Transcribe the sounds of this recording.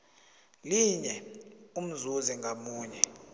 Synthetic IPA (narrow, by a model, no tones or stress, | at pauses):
liɲɛum̩zuziŋɡʱamuːɲɛ